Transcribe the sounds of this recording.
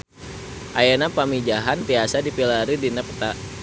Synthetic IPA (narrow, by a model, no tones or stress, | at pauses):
ʔajanapamid͡ʒaɦant̪iasadipilaɾidinɛp̚t̪a